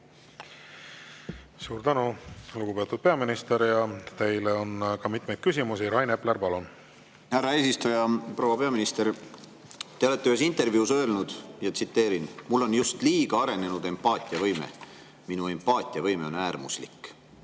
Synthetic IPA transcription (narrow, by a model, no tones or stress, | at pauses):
suːɾt̪ænuluɡ̥upe̞ːt̪ːˑud̥̪̚peɑminist̪eɾjɑt̪e̞jleo̞nkɑmit̪mejd̪̥kysʲimusiɾɑjnepleɾpɑlun | hærːɑe̞ːsist̪ujɑpro̞wɑpe̞ɑminist̪e̞ɾ | t̪eole̞t̪ːeyhes̬int̪e̞rvjuːsø̞elnud̪̥jɑt̪sit̪ːe̞ːɾinmulːo̞njust̪liːɡ̥ɑɑɾe̞ne̞nud̪̥e̞mpɑːt̪ʲˑiɑvɤjmḛ | minue̞mpːɑːt̪ʲːˑiɑvɤjme̞o̞næːrmuslḭkː